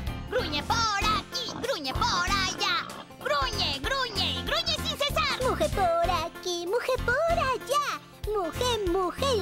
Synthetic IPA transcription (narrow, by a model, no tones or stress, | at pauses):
ɡɾuɲepoɾakiɡɾuɲepoɾaja | ɡɾuɲeɡɾuɲeɡɾuɲesinsesaɾmuxepoɾakimuxepoɾaja | muxemuxe